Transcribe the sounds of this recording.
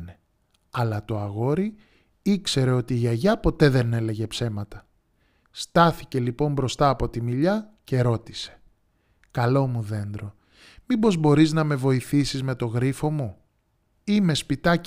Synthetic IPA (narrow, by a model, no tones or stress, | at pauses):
ne | ɐlɐt̪o̞ɐɣo̞ɾi | ikse̞ɾe̞o̞t̪iːʝɐʝɐpo̞t̪e̞ðe̞ne̞le̞ʝe̞pse̞mɐt̪ɐ | st̪ɐθice̞lipo̞mbɾo̞st̪ɐːpo̞t̪imiʎɐce̞ɾo̞t̪i̥se̥ | kɐlo̞muðe̞nd̪ɾo̞ | mibo̞zbo̞ɾiznɐme̞vo̞iθisizme̞t̪o̞ɣɾifo̞mu | ime̞spit̪ɐ